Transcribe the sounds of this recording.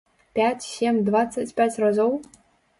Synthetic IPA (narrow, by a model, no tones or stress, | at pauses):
pʲæt͡sʲsʲemʲd̪vat̪sːat͡sʲpʲæt͡sʲrazow